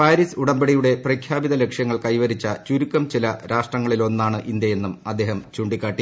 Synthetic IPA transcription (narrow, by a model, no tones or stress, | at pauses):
paːɾisuɽɐmbeɽijuɽe̞prɐkʰjaːbiðɐle̞kʂjɐŋːɐɭkɐjʋɐɾit͡ɕːɐt͡ɕuɾukːɐmt͡ɕilɐɾʔaːʂʈrɐŋːɐɭilo̞nːaːɳɨʔind̪jɐje̞nːumɐd̪ːe̞ːɦɐmt͡ɕuːɳɖikːaːʈːi